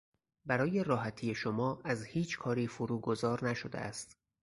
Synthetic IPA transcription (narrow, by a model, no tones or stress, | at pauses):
bæɾɒːje̞rɒːɦæt̪ʰiːje̞ʃomɒːæzhiːt͡ʃʰkʰɒːɾiːfoɾuːɡo̞zɒːɾnæʃod̪ḛʔæ̰st̪